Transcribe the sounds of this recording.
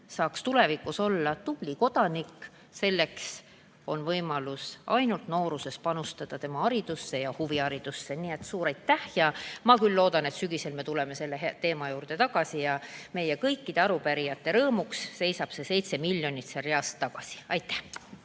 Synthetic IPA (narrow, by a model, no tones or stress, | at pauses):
sɑːkst̪ule̞vikːˑuso̞lːɑt̪ub̥liko̞d̪̥ɑnikːˑ | se̞lːe̞ks | o̞nvɤjmɑlusɑjnult̪no̞ːɾuse̞spɑnust̪ɑd̪̥ɑt̪e̞mɑɑɾid̪̥usːe̞jɑhuviɑɾid̪̥usːe̞nie̞t̪ːsuːɾɑjt̪ːæhjɑmɑkylːo̞ːd̪̥ɑne̞t̪syɡise̞lme̞t̪ule̞me̞se̞lːeɦt̪e̞ːmɑjuːɾd̪̥e̞t̪ɑɡ̥ɑsijɑme̞jekɤjkːid̪̥e̞ɑɾupæɾijɑt̪ːe̞ɾɤːmuksːe̞jsɑb̥se̞se̞jt̪se̞milʲjo̞nʲit̪sereɑst̪ːɑɡ̥ɑsi̥ɑjt̪ːˑæh